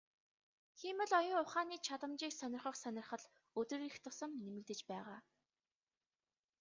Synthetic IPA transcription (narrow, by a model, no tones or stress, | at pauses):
xiːmə̆ɮɔjʊːʊχaːniːt͡ɕʰat̪ə̆mt͡ɕiːksœnʲɪ̆rχə̆χsœnʲɪ̆rχə̆ɮ | ɵt̪ɵ̆rixt̪ʰʊsə̆mnemɘ̆ɮt̪ɘ̆t͡ɕpæːʁaː